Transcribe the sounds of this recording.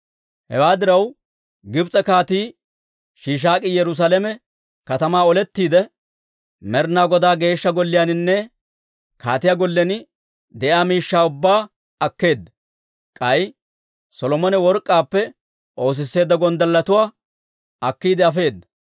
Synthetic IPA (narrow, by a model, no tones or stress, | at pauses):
hɛ̰waːd̪ɪɾɐw | ɡɪbt͡sʼɛkaːt̪iː | ʃiːʃ̬aːkʼɪjɛɾʊs̬aːlɛmɛ | kɐt̪ɐmaːɔlɛt̪ːiːd̪ɛ | mɛɾnaːɡɔd̪aːɡe̞ːʃːɐɡɔlːɪjaːnɪnːɛ | ka̰ːt̪ɪjaːɡɔlːɛn | d̪ɛʔjaːmiːʃːaːʊbːaː | ɐkːe̞ːd̪ːɐ | kʼɐj | sɔlɔmɔnɛwɔɾkʼːaːpːɛ | ʔo̞ːs̬ɪsːe̞ːd̪ːɐɡɔnd̪ɐlːɐt̪ʊwaː | ɐkːiːd̪ɛɐfe̞ːd̪ːɐ̥